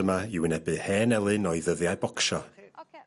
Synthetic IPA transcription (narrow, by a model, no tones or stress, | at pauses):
əmaiwənɛbɨhɛːnɛlˠɨnɔɨðəðjaɨbɔkʃɔ